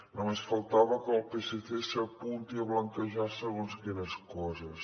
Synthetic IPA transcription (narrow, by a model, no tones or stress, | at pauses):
nomesfəlˠt̪aβəkəːlˠpeseθesəpunt̪iəβləŋkəʒasəɣonzkɛɾəskɔzəs